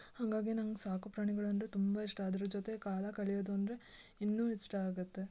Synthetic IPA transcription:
haŋɡaːɡinɐŋɡɐsaːkupɾaːɳiɡɐɭɐnd̪ɾut̪umbaiʂʈaːd̪ɐɾud͡ʒot̪ekaːlɐkɐɭijoːd̪uɐnd̪ɾe̞ | inːuːiʂʈɐaːɡɐt̪ːe̞

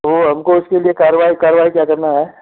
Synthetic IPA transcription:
ʋoɦɐmkoʊskeliekaːɾəʋaːikaːɾʋaːikjaːkɐɾnaɦɛː

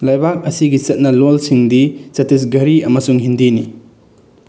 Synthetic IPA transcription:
lajbak̚ɐsiɡit͡ʃɐt̚nɐlolsiŋdisɐtis̬ɡɐɾiɐmɐsuŋɦindini

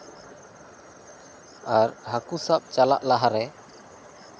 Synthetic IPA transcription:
aɾhakusap̚t͡ʃalaʔlaɦaɾɛ

